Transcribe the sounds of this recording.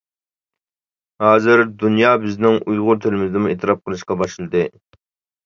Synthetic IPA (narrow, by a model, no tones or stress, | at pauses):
hɑːzɪɾd̪unjɑːbɪznɪŋʔujʁʊɾt̪ʰelɪmɪzd̪ɪmueːt̪ʰɨɾɑp̚qʰəlˠɨʃqɑbɑʃlˠɨd̪ɨ